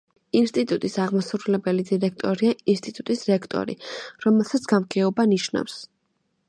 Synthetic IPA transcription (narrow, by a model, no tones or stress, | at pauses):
inst̪ʼit̪ʼut̪ʼisaʁmasɾulɛbɛlid̪iɾɛk̚ʰt̪ʼɔɾiaʔinst̪ʼit̪ʼut̪ʼisɾɛkʰt̪ʼɔ̰ɾḭɾɔmɛlˠsat̪sʰɡ̥amɡʰɛɔbaniʃna̰fs